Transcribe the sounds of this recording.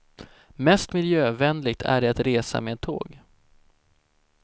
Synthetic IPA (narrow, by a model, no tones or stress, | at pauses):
mɛst̪mɪljøːvɛnlɪɡ̚t̪ʰæ̰ɖɛat̪ɾeːsa̰meːd̪t̪ʰːo̰ːɡ